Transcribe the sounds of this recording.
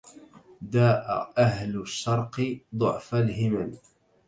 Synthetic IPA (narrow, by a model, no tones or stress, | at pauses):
d̪aːʔa̰ʔaɦlʊʃːɑɾˤqɨd̪ˤʊʕfalhɪman